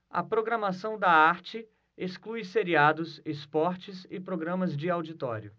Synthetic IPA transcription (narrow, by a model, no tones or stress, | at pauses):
ɐ̰pɾoɡɾɐmasɐ̃w̃d̪ɐaɾt͡ʃɪ | esklujseɾiad̪ʊsespɔɾt͡ʃɪzɪpɾoɡɾɐ̃mɐzd͡ʒɪawd͡ʒit̪ɔ̰ɾjʊ